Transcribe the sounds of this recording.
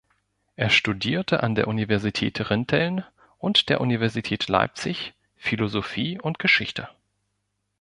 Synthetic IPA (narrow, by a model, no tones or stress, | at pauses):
ʔeːɐʃtudiːɐtʰəʔa̰ndeːɐʔunivɛɐzitʰɛ̰ːtʁɪntʰɛln | ʔʊntd̥eːɐʔunivɛɐzitʰɛːtʰla̰ɪp̚t͡sɪç | filozofiːʔʊntɡ̥əʃɪçtʰə